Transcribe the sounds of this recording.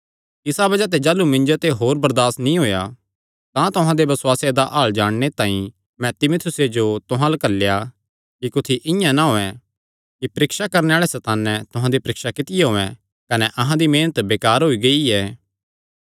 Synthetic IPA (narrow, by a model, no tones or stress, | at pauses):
ɪsabɐd͡ʒat̪̬ed͡ʒaːlumɪ̃nd͡ʒot̪eɦoːɾbɐɾd̪aːsnĩɦoːja | t̪ãt̪ʊɦãd̪ebɐswaːsjed̪aʔaːɭd͡ʒaːɽ̃net̪ãːĩ | mɛ̃t̪ɪmʊt̪ʰʊsed͡ʒot̪ʊɦãlɐkəlːja | kikʊt̪ʰiʔɪ̃jãnaɦoːɛ̃ | kipɐɾɪkʃakɐɾneaːɭɛsɐt̪aːnːɛt̪ʊɦãd̪ipɐɾɪkʃakɪt̪ɪjeɦoːɛ̃ | kɐnɛʔɐɦãd̪imeːnət̪beːkaːɾɦoːiɡɐiɛː